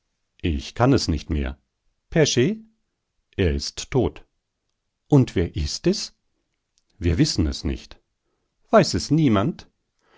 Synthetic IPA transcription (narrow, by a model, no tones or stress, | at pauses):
ʔɪçkʰanɛsnɪçtmḛːɐ | pʰɛɐʃeː | ʔeːɐɪstʰːoːt | ʔʊntv̥eːɐʔɪstɛs | viːɐvɪsn̩ɛ̰snɪ̰çt | v̥aɪsɛsniːmant